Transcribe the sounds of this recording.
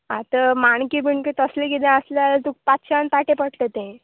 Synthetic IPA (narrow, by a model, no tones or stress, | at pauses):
at̪əmaɳkibiɳkit̪əslekid̪ẽəslalt̪uk̚pat̪ɕʰaant̪aʈepəʈt̪et̪ẽ